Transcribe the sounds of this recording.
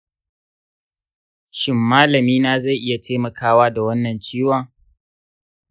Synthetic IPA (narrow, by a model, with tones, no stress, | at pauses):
ʃɪ˦mːaː˦lɐ˨miː˦naː˦za˦˨jʔɪ˦ja˨tʰa˦mɐ˨kʰaː˦waː˦da˨wɐ˦nːɐ˨nt͡ʃiː˦wa˦˨